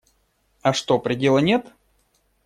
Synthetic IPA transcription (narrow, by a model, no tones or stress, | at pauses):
ɐʂt̪opɾʲɪdʲe̞lˠənʲe̞t̪